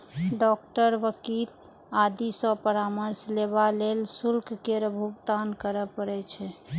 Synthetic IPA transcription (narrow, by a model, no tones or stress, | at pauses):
ɖɔkʈəɾʋəkil | ad̪isəpəɾaməɾsleβalelsulkkeɾəbʱuɡd̪ankəɾəpəɾɛt͡ʃʰɛ